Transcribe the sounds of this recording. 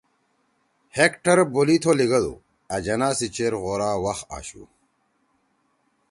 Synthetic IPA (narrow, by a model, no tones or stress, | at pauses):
hekʈɐɾbolit̪ʰoliɡɐd̪ṵ | ɐd͡ʑɐnaːsit͡ɕeːɾɣoːɾaːwɐxa̰ːɕṵː